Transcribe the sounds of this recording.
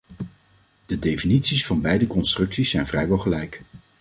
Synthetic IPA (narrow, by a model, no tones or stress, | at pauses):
d̥ədejfinitsisfɑnbɛjdəkɔnstrɵksisːɛjnv̥rɛjʋɛlˠχəlɛjk